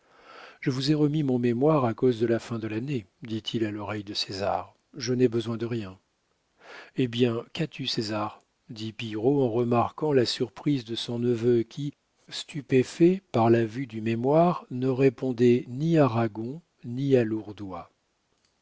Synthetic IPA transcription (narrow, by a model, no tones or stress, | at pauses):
ʒ̥əvuzɛʁəmimɔ̃memwaʁakozd̪əlafɛ̃d̪əlaned̪it̪ʰilalɔʁɛjd̪əseza̰ʁ | ʒənɛbəzwɛ̃d̪əʁjɛ̃ | ebjɛ̃kat̪ʰysezaʁ | d̪ipiʁoɑ̃ʁəmaʁkɑ̃lasyʁpχizd̪əsɔ̃nəvøkʲʰi | st̪ypefɛpaʁlavyd̪ymemwaʁnəʁepɔ̃d̪ɛniaʁaɡɔ̃ | nialuʁd̪wa